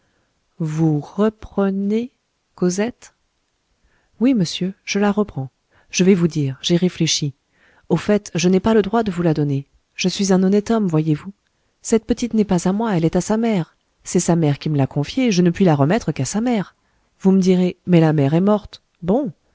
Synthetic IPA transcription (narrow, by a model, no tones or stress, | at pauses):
vuʁəpχəne | kozɛt̪ | wiməsjøʒ̥əlaʁəpχɑ̃ | ʒ̥əvɛvud̪iːʁʒeʁefleʃi | ofɛt̪ʒənɛpaləd̪ʁwad̪əvulad̪ɔne | ʒ̥əsɥizɛ̃nɔnɛt̪ɔmvwajevu | sɛt̪̚pət̪it̪nɛpazamwaɛlɛt̪asamɛʁ | sɛsamɛʁkʲiməlakɔ̃fjeʒənəpɥilaʁəmɛt̪χəkasamɛʁ | vuməd̪iʁemɛlamɛʁɛmɔʁt̪ | bɔ̃